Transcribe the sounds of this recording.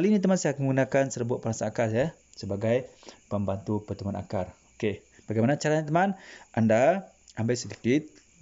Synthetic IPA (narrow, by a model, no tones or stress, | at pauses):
alinit̪əmansajakməɡunakansəɾəbuat̪̚pəɾasaːkarja | səbaɡajpəmbant̪upərt̪umana̰karoke | b̥aɡajmanat͡ʃaɾaɲat̪̬əmanʔanda | ambajsədikɪt̪̚